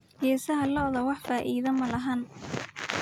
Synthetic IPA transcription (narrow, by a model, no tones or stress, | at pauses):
jɛːsɐɦɐlɐðɐwɑħfaːʔiːðɐmɐlɐɦan